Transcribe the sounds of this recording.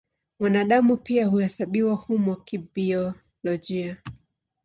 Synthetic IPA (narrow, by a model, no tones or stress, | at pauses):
mwanaɗamupiahuhɛsaɓiwahumɔkibiɔ | lɔʄia